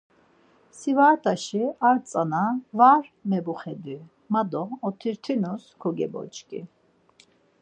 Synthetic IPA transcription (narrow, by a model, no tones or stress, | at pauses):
sivaːɾt̪ʰʼaʃiaɾt͡sʼanavaɾmɛbuχɛd̪i | mad̪ɔːt̪ʰiɾt̪ʰinuskʰɔɡɛ̰bɔ̰t͡ʃʼkʼḭ